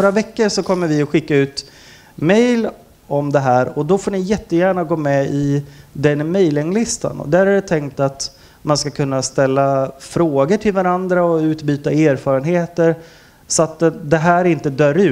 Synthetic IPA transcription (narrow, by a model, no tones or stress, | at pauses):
noːɾavɛkːəɾʂɔkʰɔmːəɾvɪɔɧɪkːaʉ̟ːt̪ | mɛjl | ɔmd̪ɛɦæːɾɔd̪ɔfoːɳɪjɛt̪ːəjæːɳaɡoːmɛɪd̪ɛnmɛjlɪŋlɪst̪a̰nɔ̰d̪æɾæɖɛt̪ʰɛŋkt̪at̪ | manskakʰɵnːast̪ɛlːafɾoːɡəʈʰɪlvaɾand̪ɾaɔʉ̟ːt̪byːt̪aeːɾfɑːɾənɦeːt̪əɾ | sɔat̪̚d̪ɛd̪ɛɦæːɾɪnt̪əd̪œːɾʉ̟